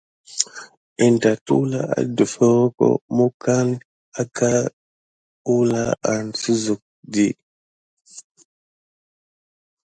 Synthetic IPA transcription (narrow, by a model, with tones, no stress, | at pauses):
ɛ˨nta˨tṵ˦la˨a̰˨du˨fɔ˦kɔ̰˦mu˦ka˦n | a˨ka˦ | u˦la̰˦a˨nsu˦zu˨k̚di˦